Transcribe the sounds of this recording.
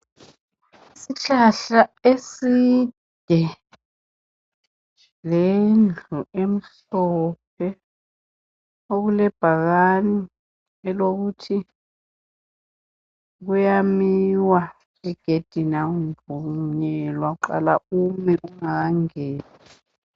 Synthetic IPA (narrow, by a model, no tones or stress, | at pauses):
isit͡ɬaɬaesid̥ʱɛ | lend͡ɮʱuem̩ɬ | ɔp̚ʰɛ | oɣulɛb̥ʱaɣani | ɛloɣutʰi | ɣ̬ujamiwa | ɛɡ̥ʱed̥ʱinaundʱuɲɛlwaɣuǃa̰la̰umɛʔuŋaɣaŋɛːni